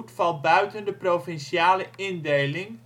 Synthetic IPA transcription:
tfɑlˠbœɥtəndəprowfɛnʃaːləɪndejlɪŋ

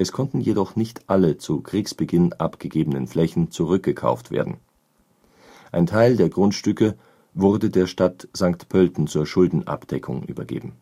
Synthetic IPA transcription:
ʔɛskʰɔntn̩jedɔχnɪçtʔalət͡sukʁ̥iːksb̥əɡɪnʔapɡ̥əɡeːbənənflɛçn̩t͡suʁʏk̚ɡ̥əkʰa̰ʊftv̥ḛːɐdn̩ | ʔaɪntʰaɪldeːɐɡʁʊntʃtʏkə | vʊʁdədeːɐʃtatz̥aŋktpʰœltn̩t͡suːɐʃʊldn̩ʔa̰pd̥ɛkʰʊ̰ŋʔy̰ːbɐ̰ɡḛːbm̩

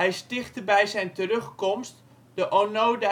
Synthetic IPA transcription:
ɛjstɪχtəbɛjzɛjntərɵχkɔmst | d̥əʔonowda

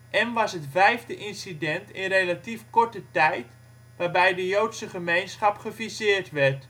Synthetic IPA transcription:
ʔɛnʋɑsɦətvɛjvdəʔɪnsidɛntɪnrelatifkɔɹtətɛjt | ʋaːrbɛjdəjowtsəχəmejnsχɑpχəvisɪːrtʋɛrt

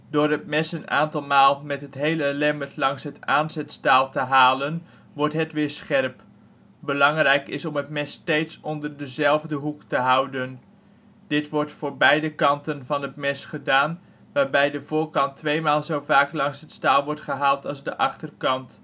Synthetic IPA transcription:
dʊːrətmɛsəna̰ːntɑlˠmaːlˠmɛtɦətɦejləlɛmətlɑŋsɦətaːnzɛtstaːlˠtəɦaːlən | ʋɔɹtɦətʋɪːɹsχɛrp | bəlɑŋrɛjkɪsɔmətmɛstejtsɔndərdəzɛlˠvdəɦuktəɦʌwdən | d̥ɪtʋɔɹtfʊːɹbɛjdəkɑntənvɑnɦətmɛsχədaːn | ʋaːɹbɛjdəvʊːɹkɑntʰʋejmaːlˠzowvaːklɑŋsɦətstaːlˠʋɔɹtχəɦaːlˠtɑlˠzdəʔɑχtərkɑnt

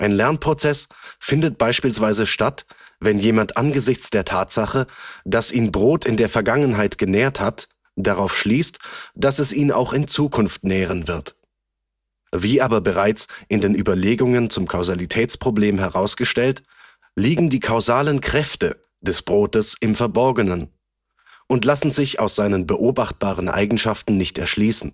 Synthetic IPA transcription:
ʔaɪnlɛɐnpʁ̥ot͡sɛsfɪndət̚b̥aɪʃpiːlsv̥aɪzəʃtatvɛnjeːmantʔanɡəzɪçt͡sd̥eːɐtʰaːtz̥aχəd̥asʔiːnbʁoːtʰɪndeːɐfɛɐɡaŋənɦaɪtɡ̥ənɛːɐthat | d̥aʁaʊfʃliːstd̥asɛsʔiːna̰ʊxɪnt͡suːkʰʊnftnɛːʁ̞ənvɪɐt | viːʔaːbɐbəʁaɪt͡sʔɪndeːnʔyːbɐleːɡʊŋənt͡sʊmkʰaʊzalitʰɛːt͡spʁ̥obleːmɦɛʁaʊsɡ̥əʃtɛlt | liːɡŋ̩diːkʰaʊzaːlənkʁ̥ɛftə | d̥ɛsb̥ʁoːtəsɪmfɛɐbɔɐɡənən | ʔʊntlasn̩zɪça̰ʊsz̥aɪnənbəʔoːbaχt̚b̥aːʁ̞ənʔa̰ɪɡŋ̩ʃaftn̩nɪçtɛ̰ɐʃliːsn̩

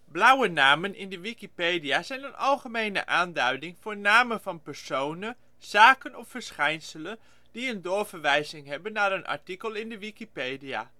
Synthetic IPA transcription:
blʌwənaːmənʔɪ̰ndəʋikipejdiaːzɛjnənʔɑlˠχəmejnə̰ʔaːndœɥdɪŋv̥ʊːɹnaːmənvɑnpɛɹsownən | z̥aːkənɔfːəɹsχɛjnsələn | d̥iəndʊːɹvəɹʋɛjzɪŋɦɛbənːaːɾənʔɑ̰ɹtikəlˠɪndəʋikipejdija̰ː

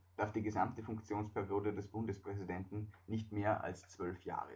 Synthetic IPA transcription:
d̥aɐfd̥iːɡəzamtəfʊŋkt͡sjoːnspʰɛɐʁioːdədɛsb̥ʊndəspʁ̥ɛzidɛntn̩nɪçtmeːɐʔa̰lst͡sv̥œlfja̰ːʁə̰

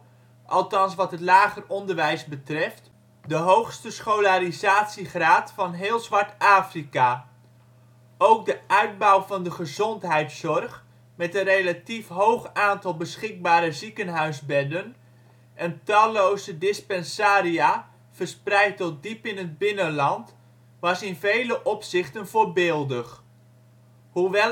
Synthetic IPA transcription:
ʔɑlˠtɑnsʋɑtɦətlaːχərɔndəɹʋɛjzbətrɛft | dəɦowχstəsχolaɾizaːtsiχraːtfɑnɦɪːlˠzʋɑɹtaːfrika | owk̚dəʔœɥd̚bɔwvɑndəχəzɔntɦɛjtsɔrχ | mɛtənrejlatifɦowχaːntɑlˠbəsχɪk̚baːɾəzikənɦœɥzbɛdən | ʔɛntɑlowzədɪspɛnsaːɾia | v̥ərsprɛjtːɔt̚dipɪnəd̚bɪnənlɑnt | ʋɑsɪnvejləʔɔpsɪχtənvoːrbɪːlˠdəχ | ɦuʋɛ

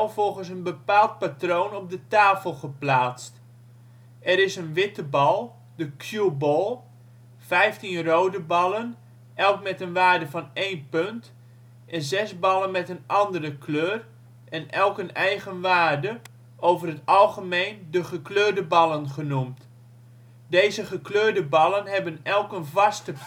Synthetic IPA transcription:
vɔlˠχənsənbəpaːlˠt̚patroːnɔb̚dətaːfəlˠχəplaːt͡st | ɛɾɪsənʋɪtəbɑlˠ | dəkʰjubɔlˠ | fɛjftinrowdəbɑlˠən | ʔɛlˠkmɛtənʋaːɹdəvɑnejnpønt | ʔɛnzɛsbɑlˠənmɛtənʔɑndərəkʰløːr | ʔɛnɛlˠkənɛjɣənʋaːrdə | ʔowvərətɑlˠχəmeːjndəχəkløːrdəbɑlˠənχənumt | dejzəχəkløːrdəbɑlˠənɦɛbənɛlˠkənvɑstə

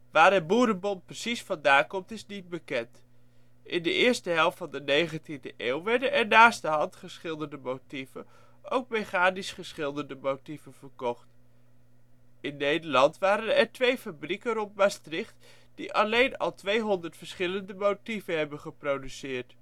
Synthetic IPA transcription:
ʋaːɹɛbuːɾənbɔnprəsisfɑndaːkɔmtɪsnid̚bəkɛnt | ʔɪndəʔɪːɹstəɦɛlˠftfɑndənejχəntindəʔeːwʋɛɹdəʔɛɹnaːsdəɦɑntχəɹsχɪlˠdəndəmotivən | ʔowk̚mejχaːnisχəɹsχɪlˠdəndəmowtivənvəɹkɔχt | ɪnːejdəɹlɑntʋaːɾənɛɹtʋejfabrikərɔnt̚mastrɪχt | d̥iʔɑlejnɑ̰lˠtʋejɦɔndəɹtfəɹsχɪləndəmowtivənɦɛbənχəprowdysɪːɹt

